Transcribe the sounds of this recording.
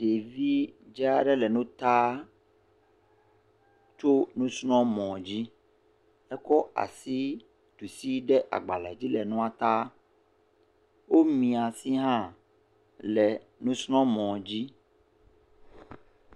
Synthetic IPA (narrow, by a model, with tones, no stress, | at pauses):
ɖe˨vi˦d͡ʒɛ˦a˦ɖɛ˦lɛ˨nũ˦t̪a˦ | t͡ʃo˦nũ˦snɔ̃˦mɔ̃˨d͡ʑi˦ | ɛ˦kɔ˦a̰˨si˦ | t̪u˨si˦ɖɛ˦ʔa̰˨ɡ͡ba˨la˨d͡ʑi˦lɛ˨nũ˦a˨t̪a˦ | wo˦mĩ˨a˨si˦ɦã˦ | lɛ˨ | nũ˦snɔ̃˦mɔ̃˨d͡ʑi˦